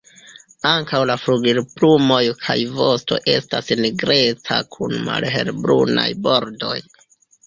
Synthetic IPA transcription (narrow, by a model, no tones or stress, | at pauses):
aŋkawlafɾuɡiɾplumo̞jkʰajvo̞sto̞̰ʔe̞stasniɡɾe̞t͡sakʰunma̰lɦe̞̰lbɾuna̰jbo̞ɾdo̞j